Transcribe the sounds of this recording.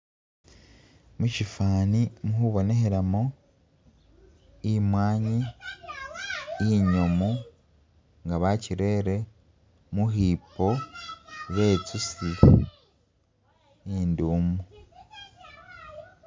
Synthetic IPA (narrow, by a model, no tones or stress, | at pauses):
mucifaːnimuhuβo̞ne̞ɦeɾamo | imwaːɲi | iɲomu | ŋɡaβaciɾe̞ːɾe̞ | muɦiːpo̞ | βe̞t͡susi | iːnduːmu